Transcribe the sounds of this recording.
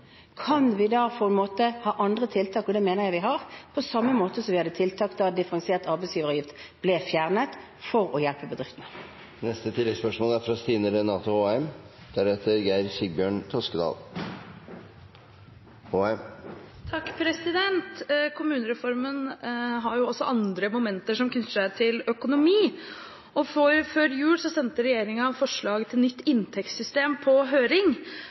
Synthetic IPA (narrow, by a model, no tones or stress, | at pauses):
kʰɑnʋɪd̪ɑːpʰɔɛnmoːt̪əhɑːʔɑnd̪ʁət̪ʰɪlt̪ʰɑːkɔd̪ɛmeːnəʁjæɪʋɪɦɑʁpʰɔsɑmːəmoːt̪əsɔmʋɪhɑd̪ːət̪ʰɪlt̪ʰɑːkt̪d̪ɑd̪ɪfəʁɑŋseːʁt̪ɑʁbæɪsjiːʋəʁəjɪft̪b̥lɛfjæʁnət̪ | fɔʁɔjælpəbəd̪ʁɪft̪ənə | nɛst̪ət̪ʰɪlːɛspœʂmoːlæɾfɾɑst̪iːnəɾənɑːt̪ʊoːɛm | d̪̥æɾheːt̪əɾɡæɪɾçɪɡ̚bjøːɳt̪ʰɔskəd̪ɑ̰ːl | hoːɛm | t̪ʰɑkːpʰɾɛsɪd̪ɛnt̪kʰʊmʉːnəɾɛfɔɾmənɦɑɾjʊɔsːɔʔɑnd̪ɾəmʊmɛnt̪əʂɔmkʰnʉt̪ːəʂæɪt̪ʰɪlœkʊnʊmiː | ɔfɔɾføːɾjʉːlsɔsɛnt̪əɾɛjeːɾɪŋɑfɔʂɭɑːɡət̪ʰɪlnʏt̪ːɪnt̪ʰɛk̪sʏst̪eːmpʰɔɦøːɾɪŋ